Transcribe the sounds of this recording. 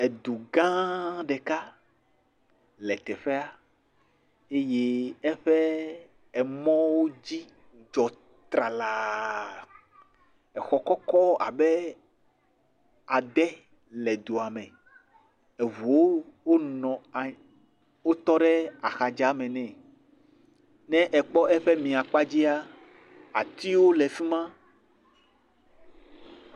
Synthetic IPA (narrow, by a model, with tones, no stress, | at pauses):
e˨d̪u˨ɡã˦ɖɛ˨ka˦ | lɛ˨t̪ɛ˨ɸɛ˦a˦ | e˦je˦ɛ˦ɸɛ˦ | ɛ˨mɔ̃˦wo˦d͡ʑi˦ | d͡ʒɔ˨ | t̪ɾa˨la˨ | ɛ˨xɔ˨kɔ˦kɔ˦a̰˨bɛ˦ | a˨d̪ɛ˦ | lɛ˨d̪o˨a˨mɛ̃˨ | e˨vu˨o˦wo˦nɔ̃˨ | wo˦t̪ɔ˦ɖɛ˦a˨xa˨d͡ʒa˦mɛ̃˨nɛ̃˦˨ | nɛ̃˦ʔɛ˨k͡pɔ˦ʔɛ˦ɸe˦mĩ˨a˨k͡pa˦d͡ʑi˦a˦ | a˨t̪i˦wo˦lɛ˨fi˦mã˦